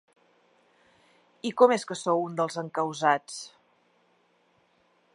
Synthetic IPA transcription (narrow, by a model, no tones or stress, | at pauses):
ikɔmeskəsowund̪əlˠzəŋkəwzat͡s